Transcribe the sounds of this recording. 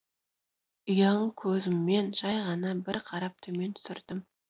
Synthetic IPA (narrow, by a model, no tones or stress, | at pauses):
əjɑɴkʲʰɵzɪmːe̞nʒɑjʁɑnɑbɪɾqʰɑɾɑp̚t̪ʰɵme̞nt̪ʰsɪɾd̪̥ɪm